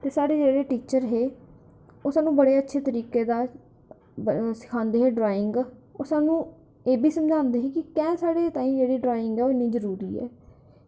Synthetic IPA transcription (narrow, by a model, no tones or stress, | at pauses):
t̪eːsaːɽeːd͡ʒeːɽeːʈiːt͡ʃəɾɦeː | ʊsaːnũːbəɽeːətːʃʰeːt̪əɾiːkeːd̪aː | sɪ̥kʰãːnd̪eːɦeːɖɾaːɪŋɡʊsãːnũː | eːbʱiːsəmd͡ʒãːnd̪eːɦeːkɪkɛ̃ːsaːɽeːt̪ãːĩːd͡ʒeːɽiːɖɾaːɪŋɡɛːoɪniːd͡ʒəɾuːɾiːɛ̰ː